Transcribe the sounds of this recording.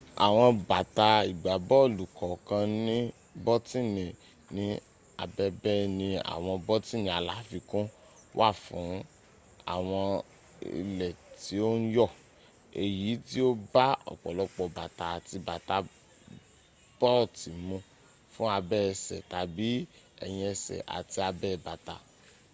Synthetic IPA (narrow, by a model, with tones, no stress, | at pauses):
a̰˨w̃ɔ̃˧ba˨ta˧i˨ɡ͡ba˨bɔ˦˨lu˨kɔ˨kã˧nĩ˦ | bɔ˦tĩ˦˨nĩ˨ | nĩ˨˦ | a̰˧bɛ˦bɛ˦nĩ˧a̰˨w̃ɔ̃˧bɔ˦ti˦nĩ˧˨a˧la˨˦fi˧kũ˦ | wʔa˦˨fũ˨˦ | a̰˦˨w̃ɔ̃˧ | ḭ˧lɛ˨ti˨˦o˦n̩˦jɔ˦˨ | e˨ji˨˦ti˦o˦ba˦ɔ̰˨k͡pɔ̰˨lɔ˨˦k͡pɔ˧˨ba˨ta˨a˨ti˧ba˨ta˦ | b̥ɔ˦˨ti˨mũ˧ | fũ˦a˧bɛ˦˧sɛ̰˨ta˨bi˨˦ | ɛ̰˧j̃ĩ˧ɛ˧sɛ̰˨ʔa̰˨ti˧a˧bɛ˦˨ba˨ta˧